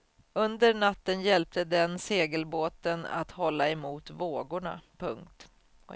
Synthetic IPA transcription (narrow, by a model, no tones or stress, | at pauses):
ɵnd̪əɾɳat̪ːənjɛlp̚t̪əd̪ɛnseːɡəlboːt̪əna̰t̪hɔlːaɛmuːt̪voːɡʊɳa̰pʰɵŋk̚t̪